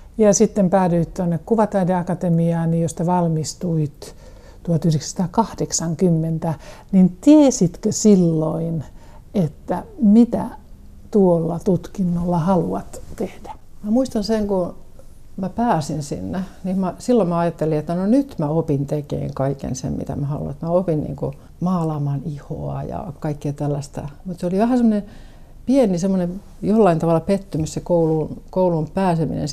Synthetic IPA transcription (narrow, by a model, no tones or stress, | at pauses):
jɑsit̪ːempæːdyit̪t̪onːekkuʋɑt̪ɑideɑkɑt̪emiɑːnijjost̪ɑʋɑlmist̪uit̪ | t̪uɑt̪yhreksst̪ɑːkɑhd̥eksɑŋkymːent̪ænint̪iesit̪køsilːoin | et̪ːæmit̪æ̰ | t̪uolːɑt̪ut̪kinːolːɑhɑluɑt̪t̪ehd̥æ̥mæmuist̪ɑnseŋko | mæpæːsinsḭnːenimmæsilːommæɑjɑt̪ːeliet̪ːænonyt̪mæopint̪ekḛːŋkɑikḛnsḛmmḭt̪æ̰mæhɑ̰lṵnet̪mæopinnḭːŋko | mɑːlɑmɑniho̰ɑ̰jɑ̰kɑikːiɑt̪ælːæst̪æ̰mut̪seoliʋæhæsemːone | pienisemːonem | jolːɑint̪ɑʋɑlːˑɑpet̪ːymyssekoulunkoulumpæːsemḭnḛn